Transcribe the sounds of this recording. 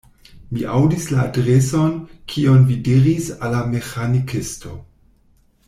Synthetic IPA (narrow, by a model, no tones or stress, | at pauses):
miʔawdislaːdɾesonkʰionvidiɾisalːamexanikisto̰